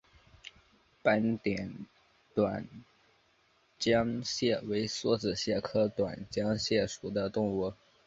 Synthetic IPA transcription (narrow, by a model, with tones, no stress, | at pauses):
pa˥nt̪jɛ˨˩˦n | t̪wa˨˩n | t͡ɕjɑ˥ŋɕjɛ˥˩we˧˥ɪswɔ˥t͡sɹ̩˨˩ɕjɛ˥˩kʰɤ˥t̪wa̰˨˩nt͡ɕjɑ˥ŋɕjɛ˥˩ʂu˨˩d̪ə˦t̪ʊ˥˧ŋwu˥˩